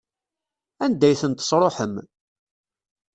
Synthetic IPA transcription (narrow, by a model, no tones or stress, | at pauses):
ænd̪æjθənt̪ə̥sˤɾˤoħəm